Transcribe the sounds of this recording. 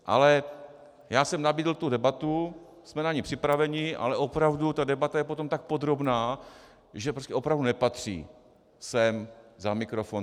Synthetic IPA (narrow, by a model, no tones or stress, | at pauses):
ʔa̰lɛ | jaːsɛmnabiːdl̩t̪udɛbat̪u | smɛnaɲɪpr̥ɪpɾavɛɲɪʔa̰lɛʔopɾavdut̪adɛbat̪ajɛpo̞t̪o̞mt̪ak̚pod̪ɾo̞bnaː | ʒɛpɾoscɛʔopɾavdunɛpat̪r̥ḭː | sɛmzamɪkɾofon